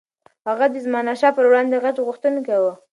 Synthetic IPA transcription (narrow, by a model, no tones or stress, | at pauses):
haɣad̪əzmɑnaʃɑpəɾwɽɑnd̪eɣatoɣuxt̪ənokawə